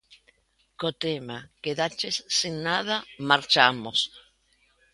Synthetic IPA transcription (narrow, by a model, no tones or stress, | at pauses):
kot̪emakeðat͡ʃesːinːaðamaɾt͡ʃamos